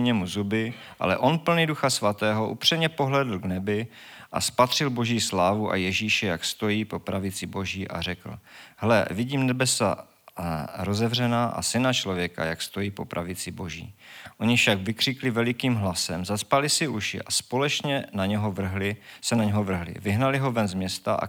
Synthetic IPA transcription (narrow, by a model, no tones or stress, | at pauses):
ɲɛmuzubɪ | ʔa̰lɛ̰ʔo̞npl̩niduxasvat̪ɛːɦoʔṵpr̝̥imɲɛpo̞ɦlɛːdl̩ɡnɛbɪʔa̰spat̪r̝̥ɪlbo̞ʒiːslaːvuʔa̰jɛʒiːʃɛjakst̪o̞jiːpo̞pɾavɪt͡sɪbo̞ʒiːʔa̰r̝ɛkl̩ɦɛlɛ̰vɪɟiːmnɛbɛsa̰ | ɾo̞zɛvrɛnaːʔa̰sɪnat͡ʃlo̞vjɛka̰jakst̪o̞jiːpo̞pɾʔavɪt͡sɪbo̞ʒḭːʔo̞ɲɪfʃaɡvɪkr̝̥ɪklɪvɛlɪkiːmɦlasɛmzaspalɪsɪʔuʃɪ̰ʔaspo̞lɛt͡ʃɲɛnaɲɛɦo̞vr̩ɦlɪsɛnaɲɛɦovr̩ɦlɪ̰vɪɦnalɪɦo̞vɛnzmɲɛst̪aʔa̰